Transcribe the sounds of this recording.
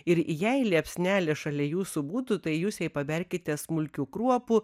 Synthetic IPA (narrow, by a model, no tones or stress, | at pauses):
ɪɾjɛɪlʲiɛpʲsʲnʲæːlʲɛʃɐlʲɛjuːsʊbuːt̪ʊt̪ɐɪjuːsjɛɪpɐbʲɛɾʲkʲɪt̪ʲɛsmʊlʲkʲuːkɾuɔpʊ